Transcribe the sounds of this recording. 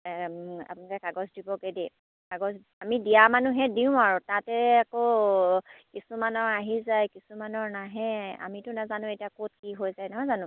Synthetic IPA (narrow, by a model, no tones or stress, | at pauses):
a̰pʊnɔkɛkaɡɔsdibɔkede | kaɡɔs | amidijamanuɦɛdiʊ̃aɹʊtatɛakɔ | kisumanɔɹaɦizajkisumanɔɹnaɦɛa̰mitʊnazanʊ̃ejtiakot̚kiɦojzajnɔɦɔjzanʊ̃